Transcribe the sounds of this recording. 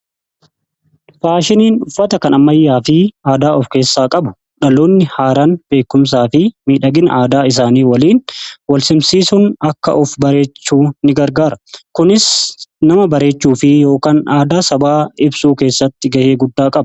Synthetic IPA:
faːʃɪniːnᶑʊfːɐt̪ɐkɐnʔɐmɐjːaːfɪaːd̪aːɔfke̞ːsːaːkʼɐbʊ̥ | ᶑɐloːnːɪhaːɾaːnbe̞ːkːʊms̬aːfɪmiːᶑɐɡɪnaːd̪aːɪs̬aːniːwɐliːnwɐlsɪmsiːsʊnɐkːɐ̰ʔʊfbɐɾe̞ːt͡ʃːuːnɪɡɐɾɡaːɾɐkʊnɪsnɐmɐbɐɾe̞ːt͡ʃːuːfɪjo̞ːkaːnaːd̪aːsɐbaːɪbsuːke̞ːsːɐt̪ːɪɡɐheːɡʊd̪ːaːkʼɐb

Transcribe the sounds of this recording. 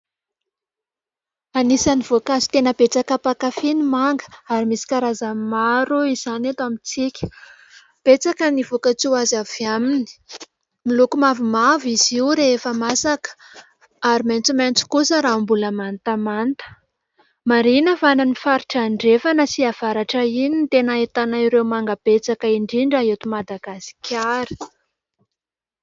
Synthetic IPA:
anisaniv̥okazi̥t̪enəb̥et͡sakəpakafinimaŋɡə̥aɾimisi̥kaɾazamaɾuiz̥anet̪amit͡sikʲə̥ | b̥et͡sakənivokət͡siazavamini̥ | milukumavumaviz̥iwɾeefəmasakə̥ | aɾiment͡sument͡su̥kusəɾambuləmant̪amant̪ə̥ | maɾinəvananifaɾiʈ͡ʂaɳɖ͡ʐefanəsiav̥aɾaʈ͡ʂəinint̪enaet̪anaiɾewmaŋɡəb̥et͡sakəiɳɖ͡ʐiɳɖ͡ʐaɦet̪umad̪aɡasi̥kʰʲaɾi̥

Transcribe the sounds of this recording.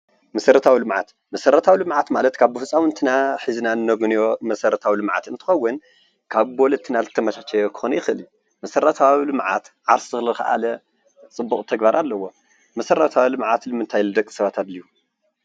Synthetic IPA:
mɐsɐɾɐt̪ʰawilɨmʕa̰t̪ | mɐsɐɾɐt̪ʰawilɨmʕat̪malɐt̪kʰaβbɨfɨsʼawɨnt̪ʰɨnaħiznanɨnːɐɡunjomɐsɐɾɐt̪ʰawilɨmʕa̰t̪ɨnt̪ʰɨ̥xɐwːʊn | kʰaβbolɐt̪ʰːɨnazɨt̪ʰːɐmɐʃat͡ʃʰɛjokʰɨ̥xunjɪxɨliju | mɐsɐɾɐt̪ʰawilɨmʕa̰t̪ʕaɾszɨxlɨlkʰa̰ʔa̰lɐ | t͡sʼɨbːukʼt̪ʰɐɡbaɾʔalːɐwo̞ | mɐsɐɾɐt̪ʰawilɨmʕat̪lɨmɨnt̪ʰajlɨd̪ɐkʼːi̥sɐβat̪ʰad̪liju

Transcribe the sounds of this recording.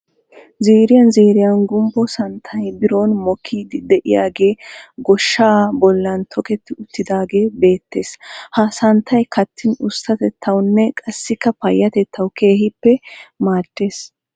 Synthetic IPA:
ziːɾɪjɐnziːɾɪjɐnɡʊmbɔsɐnt̪ʰːɐjbɪɾoːnmɔkʰːiːd̪ɪd̪ɛʔɪja̰ːɡe̞ːɡɔʃːaːbɔlːɐnt̪ʰɔkɛt̪ːɪʊt̪ːɪd̪aːɡe̞ːbe̞ːt̪ːe̞ːshɐsɐnt̪ʰːɐjkʰɐt̪ʰːɪnʊst̪ɐt̪ɛt̪ʰːɐwnːɛkʼɐsːɪkːɐpɐjːɐt̪ɛt̪ʰːɐwke̞ːhɪpːɛmaːd̪̥ːe̞ːs

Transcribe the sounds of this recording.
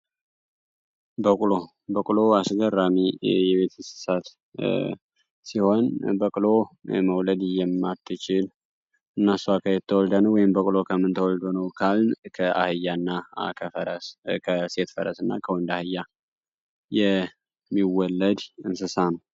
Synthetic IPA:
bəkʼulo̞ | bəkʼuloasɡərːamijɛβe̞t̪ʰɨnsɨ̥sat̪ | siho̞nbəkʼlo̞̰məwləd̪jɛmːat̪ʰːɨt͡ʃɪl | ɨnːasuakʰəjɛt̪ʰːəwɔld̪anəwːɔjɪmbəkʼulo̞kʰəmːɨnt̪ʰəwɔld̪onəwkʰalnkʰəa̰hɨjːanːakʰəfəɾəskʰəse̞t̪fəɾə̰sɨnːa̰kʰəwɔnd̪ahɨjːa | jɛ | mːiwɔlːəd̪ɨnsɨsanəw

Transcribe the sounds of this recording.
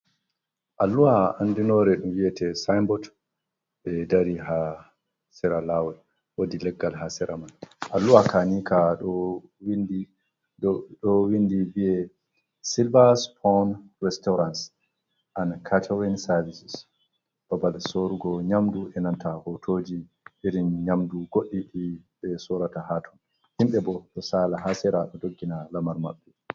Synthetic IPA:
ʔalːuwaandinɔɾɛɗumwiɛtɛsajmbɔt | bɛdaɾiɦa | sɛɾalawɛ | wodilɛɡːalɦasɛɾʔamanʔalːuwakanikaɔwin | ɗɔwindiviɛ | silbaspʰɔnɾɛstɔɾans | ʔankʰatʰawɛnsavisis | b̥abalsoɾuɡɔɲamduɛnantʰahɔtʰoːd͡ʒi | ʔiɾinɲamduɡoɗːiɗiɓɛsɔɾatahatʰun | himɓɛbɔɗɔsalaɦasɛɾaɗɔdoɡːinalamaɾma̰ɓːɛ

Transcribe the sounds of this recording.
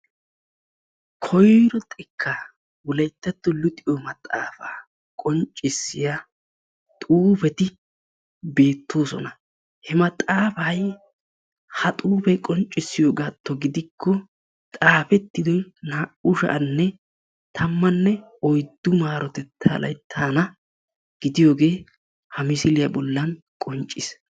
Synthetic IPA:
kʰɔjɾɔt̪ʼɪkʰːɐ | wʊlɐjt̪ːɛt̪ːʊlʊt̪ʼɪjɔmɐt̪ʼa̰ːfaː | kʼɔnt͡ʃʼːɪsːɪja | t̪ʼuːfɛt̪ɪ | be̞ːt̪ːoːsɔ̰nɐ | hɛmɐt̪ʼaːfɐj | hɐt̪ʼuːfɛkʼɔnt͡ʃʼːɪsːɪjoːɡaːt̪ːɔɡɪd̪ɪkʰːɔ | t̪ʼaːfɛt̪ːɪd̪ɔjnaːʔʊʃɐ̰ʔɐnːɛ | t̪ʰɐmːɐnːɛ | ɔjd̪ːʊmaːɾɔt̪ɛt̪ʰːa̰ːlɐ̰jt̪ʰːaːnɐ | ɡ̥ɪd̪ɪjo̞ːɡe̞ː | hɐmɪsɪlɪjɐbɔlːɐn | kʼɔnt͡ʃʼːɪs

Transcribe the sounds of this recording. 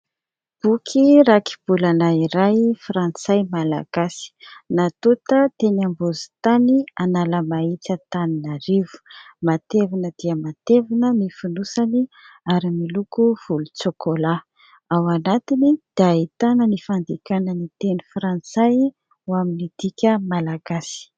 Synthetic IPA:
b̥ukʰiɾaki̥b̥ulanaiɾajfrant͡sajmala̰ɡ̥asi̥nat̪ut̪ət̪enambuzi̥t̪anianaləmait͡sət̪aninaɾivu̥mat̪evinəd̪̥iəmat̪evinənifunusaniaɾimilukuv̥ulut͡sokola | awanat̪inid̪̥ait̪anənifand̪ikanənit̪enifrant͡saj | waminid̪̥ikʲəmalaɡasi̥

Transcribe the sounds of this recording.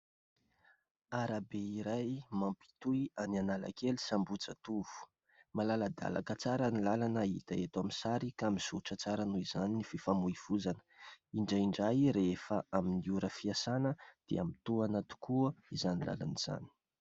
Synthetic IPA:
aɾabeiɾajmampi̥t̪uianianala̰keli̥sambut͡sat̪uv̥u̥ | malaləd̪a̰la̰kət͡saɾanilalanəḭt̪aet̪amisaɾikamiz̥uʈ͡ʂət͡saɾanuizaninififamuiv̥uzanə̥iɳɖ͡ʐaiɳɖ͡ʐajɾeefəʔaminiuɾəfiasanəd̪̥ḛa̰mit̪uanat̪u̥kuəizanila̰la̰niz̥a̰ni̥

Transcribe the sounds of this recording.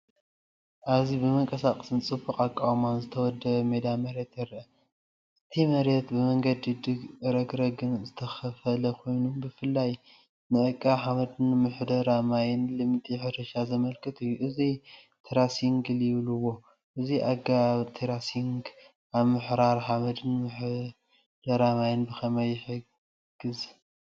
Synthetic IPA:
ʔaβzibɨmɐŋkʼɐsakʼɐsɨnt͡sʼɨbɨkʼakʼːawmanzɨt̪ʰɐwɔd̪ːɐβmed̪amɐɾe̞t̪jɐɾʔɐ | ʔɨt̪ʰimɐɾe̞t̪bɨmɐŋɡɐd̪ɨd̪ɨɡɾɐɡɾɐɡɨnzɨt̪ʰɐxɐfɐlɐkʰo̞jnumbɨfɨlːaj | nɨʔɨkʼːɐħaβɐd̪ɨnmɨħd̪ɐɾamajɪnlɨmt̪ʼiħɨɾɐʃazɐmɐlkʰɨt̪ʰɨjːuʔɨzi | t̪ʰiɾasiŋɡɨljɪβluwo̞ | ʔɨziʔaɡat̪ʰiɾasiŋɡ | ʔaβmɨħɾaɾħamɐd̪ɨnmɨħ | d̪̥ɐɾamajɪnbɨxʰɐmɐjɪħɨ | ɡ̥ɨz

